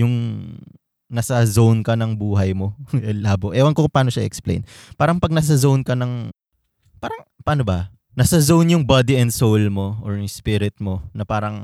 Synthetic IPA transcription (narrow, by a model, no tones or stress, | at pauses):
jʊŋ | nɐsɐzownkɐnɐŋbuːɦɐjmo̞ɛlaːboʔɛwɐnŋkokʊŋpaːno̞ʃaʔḭʔɛksplḛjnpaːɾɐŋpɐɡ̚nɐs̬ɐzownkɐnɐŋ | paːɾɐŋpaːnobɐ | nɐsɐzownjʊŋbad̪iɛnd̪sowlmo̞ʔoɹjʊŋspɪɾɪt̪̚mo̞nɐpaːɾɐŋ